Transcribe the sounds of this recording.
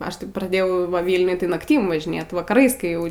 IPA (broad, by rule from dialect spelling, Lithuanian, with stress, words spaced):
ˈɐʃ ˈtɐɪ prɐˈdʲeːjɛʊ ˈʋɐ ˈʋʲiːlʲnʲʊj tɐɪ nɐkˈtʲiːm ʋɐʒʲɪˈnʲeːt ʋɐkɐˈrɐɪs eːjˈɛʊ